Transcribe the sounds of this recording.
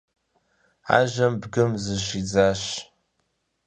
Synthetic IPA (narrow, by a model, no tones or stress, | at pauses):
a̰ːʒɐmbɡɨmzɨʃid͡zaːɕ